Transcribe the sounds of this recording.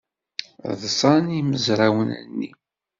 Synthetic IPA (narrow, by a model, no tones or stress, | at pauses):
ðsˤɑniməzɾæwənə̰nːi